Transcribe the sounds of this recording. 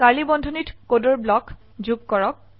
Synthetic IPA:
kalibɔndʱɔnitkodɔɹblɔk | zuɡkɔɹɔk̚

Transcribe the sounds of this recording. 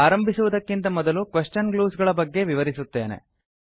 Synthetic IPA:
aːɾɐmbʱisuʋud̪ɐkːint̪ɐmɔd̪ɐlukʋeʂt͡ʃɐnɡluːsɡɐɭɐbɐɡːe̞ʋiʋɐɾisut̪ːe̞ːne̞̰

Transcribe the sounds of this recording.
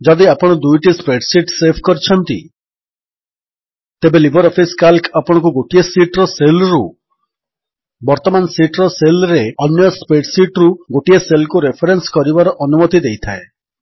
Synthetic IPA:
d͡ʒɔd̪iapɔɽ̃ɔd̪ujʈispɾeʈsiʈsepʰkɔɾit͡ʃʰɔnt̪ḭ | t̪ebelibʱɔɾɔpʰiskalkapɔɽ̃ɔ̃ŋkuɡoʈiesiʈɾɔselɾu | bɔɾt̪ɔmansiʈɾɔselɾeɔnjɔspɾeʈsiʈɾuɡoʈieselkuɾepʰɔɾenskɔɾibaɾɔʔɔnumɔt̪id̪ejt̪ʰae

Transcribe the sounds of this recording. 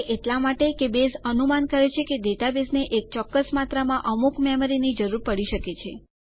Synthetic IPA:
ʔeʈlamaʈekebesənumankəɾet͡ʃʰeked̪eʈ̪abesneʔek̚t͡ʃɔkːəsmat̪ɾəmãʔəmukmɛmɾinid͡ʒəɾuɾpəɽiʃəket͡ʃʰe

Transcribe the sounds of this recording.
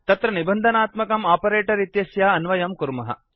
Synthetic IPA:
t̪ɐt̪ɾɐnibɐnd̪ʱɐnaːt̪mɐkɐmaːpɐɾeːʈɐɾit̪jɐsjaːɐnʋɐjɐmkuɾmɐɦɐ̰

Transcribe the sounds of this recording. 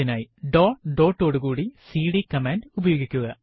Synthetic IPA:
inaːjiɖoːɖoːʈːo̞ːɽukuːɽisiːɽikɐmeːnɖubɐjo̞ːɡikʲːuɣɐ

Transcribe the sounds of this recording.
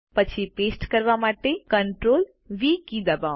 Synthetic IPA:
pət͡ʃʰipeːsʈkəɾʋamaːʈekə̃ɳʈɾoːl | ʋikid̪ɐba

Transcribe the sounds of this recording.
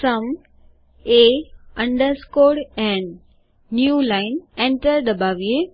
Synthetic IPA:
sɐm | eɐ̃ɳɖəɾskoːɽɛ̃ːnː | juːlaɪnẽɳʈəɾɖəbaːʋie

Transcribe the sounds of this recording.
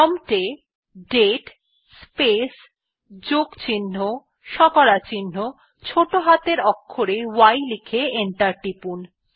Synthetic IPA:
ɔmʈe | ɖeʈ | spes | d͡ʑoɡt͡ɕinːo | ʃɔkɔɽat͡ɕinːo | t͡ɕʰoʈoɦat̪eɾɔkʰːoɾewajlikʰeeɳʈaɾʈipun

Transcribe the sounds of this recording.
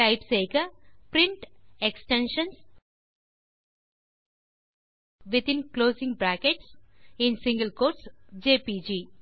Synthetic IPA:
aɪpseːkəpɾĩɳʈeksʈẽnʃə̃ns | ʋit̪ĩnkloːsĩŋɡbɾæːkeʈsĩnsĩŋɡəlkoːɾʈsd͡ʒeːpiːd͡ʒiː

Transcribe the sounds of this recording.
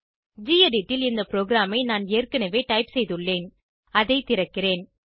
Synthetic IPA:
d͡ʒiːjɐɖiʈːɪlɪnd̪ɐpɾoːɡɾaːmɐɪnaːneːrkɐnɐʋeːʈɐɪpsɛjðɯɭːeːn | ɐðɐɪt̪ɪɾɐkːɪɾeːn

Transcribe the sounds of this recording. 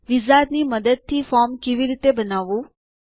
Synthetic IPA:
ʋizad̪niməd̪əd̪̚t̪ʰifɔɾmkeʋiɾit̪ebənaʋũ

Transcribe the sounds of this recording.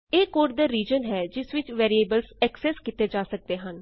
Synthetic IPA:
eːkoːʈ̚d̪aːɾiːd͡ʒənɦɛːd͡ʒɪsʋɪt͡ʃʋɛːɾieːbəlsɛːksɛːskit̪eːd͡ʒaːsək̚d̪eːɦən

